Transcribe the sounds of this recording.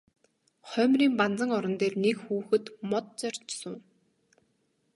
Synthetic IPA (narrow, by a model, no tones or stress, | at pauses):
χœːmriːmpant͡sə̆ŋɔɾɞ̆nt̪eːrnekxuːxɘ̆t̪mɔt̪̚t͡sœr̥ʲt͡ɕsʊː